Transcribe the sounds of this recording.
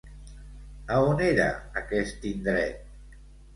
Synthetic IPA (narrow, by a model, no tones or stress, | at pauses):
aoneɾa̰akɛst̪ind̪ɾɛ̰t̪̚